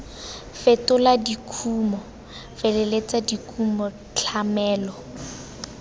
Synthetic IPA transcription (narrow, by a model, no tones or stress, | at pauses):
fetʊladikʰuːmɔ | felelet͡sadikʰumɔ | t͡ɬʰamɛːlɔ